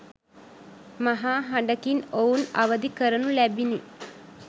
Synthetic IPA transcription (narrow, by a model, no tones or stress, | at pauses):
maɦaːɦaɳ̆ɖəkinouna̰ʋəd̪ikəɾənulæbini